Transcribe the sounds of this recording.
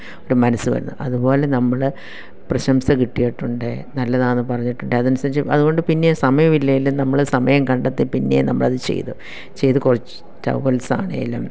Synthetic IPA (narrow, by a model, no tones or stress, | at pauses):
o̞ɾumɐnɐsːɨʋɐ̰ɾunːuʔɐðubo̞ːle̞nɐmːɐɭ | prɐɕɐmsɐkiʈːijiʈːuɳɖɨnɐlːɐðaːnːɨpɐrɐɲːiʈːuɳɖeɐðɐnusaːɾit͡ɕːɨɐ̰ðuɣo̞ɳɖɨpinːe̞sɐmɐjɐmilːɐjilːumnɐmːɐɭsɐmɐjɐmkɐɳɖɐt̪ːipinːe̞̰nɐmːɐɭɐðɨt͡ɕḛjt̪u | t͡ɕe̞jt̪ɨkurɐt͡ɕːɨ̥ | tɐ̰ʋʋɐlsa̰ːɳḛɐ̰lːɐm